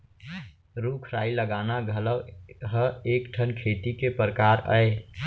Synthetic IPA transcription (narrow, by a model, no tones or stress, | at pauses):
ɾukʰɾaːiləɡaːnaɡʱələwɦəeːkʈʰənkʰeːt̪ikepɾəkaːɾəe